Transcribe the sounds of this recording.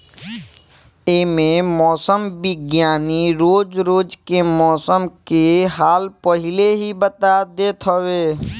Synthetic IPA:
emẽmɔːsəmbɪɡjaːniɾoːd͡ʒɾoːd͡ʒkemɔːsəmkeɦaːlpəɦɪleɦibət̪ad̪eːt̪ʰɦoweː

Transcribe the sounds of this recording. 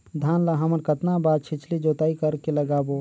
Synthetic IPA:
d̪ʱaːnlaɦəməɾkət̪nabaːd̪̚t͡ʃʰɪt͡ʃʰlid͡ʒoːt̪aːikəɾkeləɡaːbo

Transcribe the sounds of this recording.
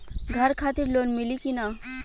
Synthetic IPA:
ɡʱəɾkʰat̪iɾlonmilikina

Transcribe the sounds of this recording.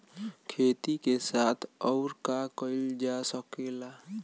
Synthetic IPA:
kʰet̪ikesat̪ʰɔʊɾkakəɪld͡ʒasəkela

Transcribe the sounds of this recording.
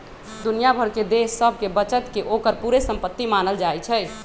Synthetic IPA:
d̪unijabʱəɾked̪esːəb̚ʱkebət͡ʃət̪keʔokəɾpuɾesəmpət̪ːimanəld͡ʒaɛt͡ʃʰɛ

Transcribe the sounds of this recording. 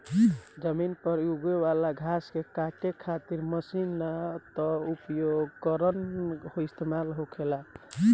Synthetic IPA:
d͡ʒəminpəɾuɡwewalaɡʱaskekaʈekʰat̪iɾməsinːat̪ɔupjoɡkəɾənhoist̪emalɦokʰela

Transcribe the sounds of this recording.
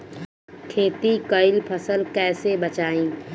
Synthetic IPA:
kʰeːt̪ikəɪlpʰəsəlkɛːsebət͡ʃaːĩː

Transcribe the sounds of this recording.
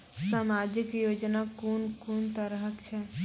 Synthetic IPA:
səmad͡ʒɪkjod͡ʒnakunkunt̪əɾəɦəkt͡ʃʰɛ

